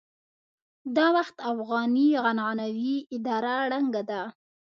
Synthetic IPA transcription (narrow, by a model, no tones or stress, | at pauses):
d̪ɑwaxt̪afɣɑniɣanɑnawiɪd̪ɑɾaɽaŋɡad̪a